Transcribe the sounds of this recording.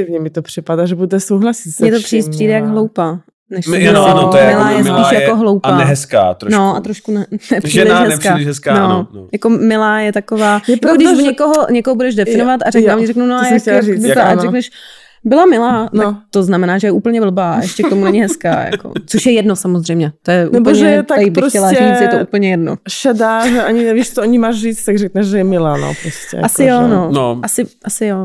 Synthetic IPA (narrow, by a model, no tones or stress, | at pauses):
ɪvɲɛmɪt̪opr̥ɪpadaʒɛbut̪ɛsowɦlasismɲɛt̪opriːspriːdɛjaɡɦlowpaː | nɛʃonomɪlaːjɛsiːʃjakoɦlowpaːnɛɦɛska̰ːt̪ɾnoʔa̰t̪ɾoʃkunɛnɛprilɪʃɦɛkaːlɪʃɦɛskaːnojakomɪlaːjɛt̪akovaːjɾakodɪɲɛkoɦoɲɛkoɦobudɛʒdɛfɪnovat̪aɾɛknamɲɛɾɛknunojakjaiɾɛknɛʃ | bɪlamɪlaːnat̪oznamɛnaːʒɛjɛʔuːpl̩ɲɛbl̩baːʔa̰ʔɛʃcɛkt̪omunɛɲɪɦɛska̰ːja̰ko̰t͡soʃjɛjɛdnosamozr̝ɛjmɲɛt̪ojɛʔunɛboɲɛʒɛjɛt̪ajibɪɾxscɛlariːt͡sjɛt̪oʔuːpl̩ɲɛjɛdno̰ʃadaːʒɛʔaɲɪnɛviʃt̪ooɲɪmaːʃriːt͡st̪t̪aɡrɛknɛʃʒɛjɛmɪlaːno̰pɾoscɛ̰jasɪjononʔasɪʔasɪjo